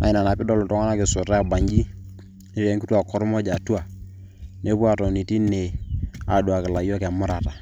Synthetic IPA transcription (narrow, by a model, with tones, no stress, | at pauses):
a̰˨ɪ˨˦na˨na˨pɪ˦dɔ˦˨lʊ˨tɔ˦ŋa˦na˦kɪ˨sʊ˨ta˦a˨ba˨ɲd͡ʒi˦ | ɪ˦fɛ˦ŋki˦tu˦a˨kɔ˦ɾmɔ˦d͡ʒa˨tu˦a˨ | ne˦pu˦a˦˨tɔ˨ni˨ti˦ne˨a˨dwa˨kɪ˨la˨jɔ˦kɛ˨mʊ˦ɾa˨ta˨